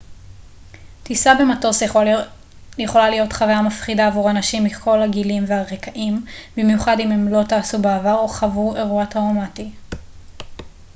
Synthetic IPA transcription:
tisabemato̞s | jeχo̞lalijo̞tχavajamafχidaːvuʁanaʃimːikʰo̞laɡilimvehaʁekaʔimbimjuχadimemlo̞taːsubeavaʁo̞χavueʁuataʁomati

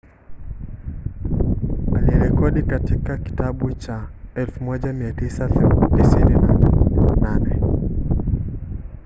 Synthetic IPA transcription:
aliɾɛkɔɗikatikaki̥taɓut͡ʃaɛlfumɔʄamiatisaθɛtisininanananɛ

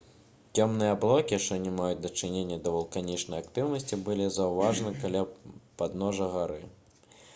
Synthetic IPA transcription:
t͡sʲɔmnɨjɐblˠɔkʲiʂt͡ʂɔnʲɛmajut͡sʲd̪ɐt͡ʂɨnʲenʲːɐd̪ɐvɐlˠkanʲit͡ʂnɐjak̚t̪ɨwnɐsʲt͡sʲibɨlʲizɐwvaʐɐnɨkalʲapad̪nɔʐɐɣaɾɨ

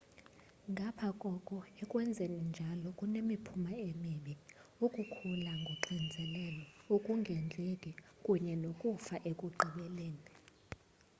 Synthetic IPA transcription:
ŋɡʱapʰakʼɔkʼɔɛkʼwɛnd͡zʱenind͡ʒʱalɔkʼunemipʰumaemiɓiukʼukʰulaŋɡʱoǃind͡zʱɛlɛlɔokʼuŋɡʱɛnd͡ɮʱekʼikʼuɲɛnokʼufaʔekʼuǃiɓɛleːni

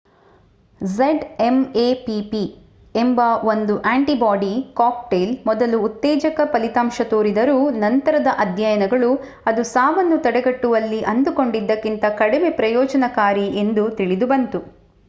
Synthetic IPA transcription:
zeɖemeːpipi | embɐo̞nd̪uʔaːɳʈibaːɖikaːkʈeːlmɔd̪ɐluːt̪ːɛːd͡ʒɐkɐpɐlit̪aːmʃɐt̪oːɾid̪ɐɾuːnɐnt̪ɐɾɐd̪ɐʔɐd̪ʱjɐjɐnɐɡɐɭu | ɐd̪usaːʋɐnːut̪ɐɽɛɡɐʈːuʋɐlːiʔɐnd̪uko̞ɳɖid̪ːɐkːint̪ɐkɐɽimepɾɐjɔːd͡ʒɐnɐkaːɾiʔe̞nd̪ut̪iɭid̪ubɐnt̪u

